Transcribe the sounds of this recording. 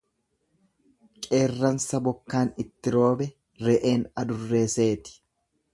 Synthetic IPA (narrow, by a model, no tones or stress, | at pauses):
kʼe̞ːrːɐnsɐbɔkːaːnɪt̪ːɪɾo̞ːbɛ | ɾɛʔe̞ːnɐd̪ʊrːe̞ːse̞ːt̪ɪ̥